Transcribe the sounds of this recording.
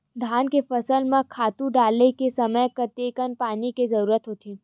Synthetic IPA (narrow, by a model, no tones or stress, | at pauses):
d̪ʱaːnkefəsəlmãkʰaːt̪ũɖaːlekesəməjkɐt̪ekənpaːnikezəɾuːɾət̪ɦoːt̪iː